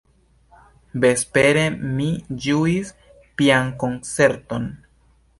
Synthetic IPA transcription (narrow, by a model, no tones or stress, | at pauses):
be̞speɾe̞mid͡ʒuis | pianko̞nt͡se̞ɾto̞n